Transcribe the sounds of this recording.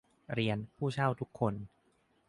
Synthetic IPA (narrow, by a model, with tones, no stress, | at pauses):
ɾi˧ənpʰuː˥˩t͡ɕʰa˥˩wt̪ʰu˦˥kʰːo˧n